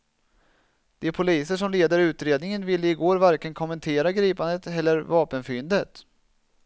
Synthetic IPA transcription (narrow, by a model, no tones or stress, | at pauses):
d̪̥ɛæpʰʊliːsəʂɔmleːd̪əɾʉ̟ːt̪ɾeːd̪nɪŋənvɪlːəɪɡoːɾvaɾkənkʰɔmːənt̪ʰeːɾaɡɾiːpand̪ət̪ɛlːəɾvɑːpənfʏnd̪ət̪